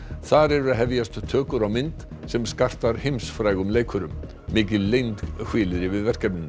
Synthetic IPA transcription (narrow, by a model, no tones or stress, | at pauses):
θaɾɛɾʏɾaðɦɛvjast̪t̪ʰœːkʏɾawmɪnt̪ | sɛmskar̥t̪aɾ̥hejmsfɾaːjɣʏmleːjkʰʏɾʏmː | ɪːcɪðlejnt̪hwɪːlɪðɾɪvɪðvɛr̥kɛp̚nɪnː